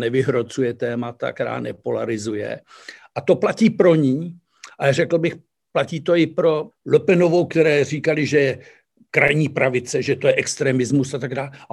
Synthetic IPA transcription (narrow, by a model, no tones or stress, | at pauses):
nɛvɪɦɾo̞t͡sujɛt̪ɛːmat̪a̰kt̪ɛɾa̰ːnɛpola̰ɾɪzujɛ̰ | ʔat̪o̞placiːpɾo̞ɲiː | ʔarɛkl̩bɪx | placiːt̪oɪpɾo̞lopɛno̞vo̞wkt̪ɛɾɛːr̝iːkalɪʒɛjɛ | kɾajɲiːpɾavɪt͡sɛʒɛt̪ojɛʔɛkst̪ɾɛːmɪzmusat̪aɡdaːla